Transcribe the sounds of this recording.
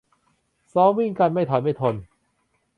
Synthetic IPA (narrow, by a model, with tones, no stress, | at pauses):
sɔː˦˥ŋwi˥˩ŋka˧nma˥˩jt̪ʰɔː˨˦ma˥˩jt̪ʰo˧n